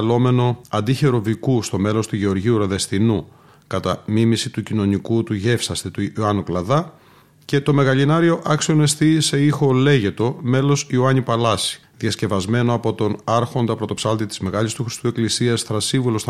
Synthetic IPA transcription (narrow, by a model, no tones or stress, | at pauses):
lo̞me̞no̞ɐnd̪içe̞ɾo̞vikust̪o̞me̞lo̞st̪uʝe̞o̞ɾʝiuɾoðe̞sθinu | kɐt̪ɐmimisit̪ucino̞nikut̪uʝe̞fsɐst̪et̪uɐnuklɐðɐ | ce̞t̪o̞me̞ɣɐʎinɐɾio̞ʔɐksio̞ne̞sθise̞ixo̞le̞ʝe̞t̪o̞me̞lo̞sioɐɲipɐlɐsi̥ðjɐsce̞vɐzme̞no̞ɐpo̞t̪o̞nɐɾxo̞nd̪ɐpɾo̞t̪o̞psɐlt̪it̪i̥zme̞ɣɐʎist̪uxɾi̥st̪ue̞klisiɐsθɾɐsiɱvulo̞st̪